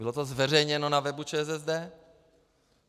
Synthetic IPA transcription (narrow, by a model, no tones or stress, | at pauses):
ɪlo̞t̪ozvɛr̝ɛjɲɛnonavɛbut͡ʃɛːs̬ɛzd̪ɛː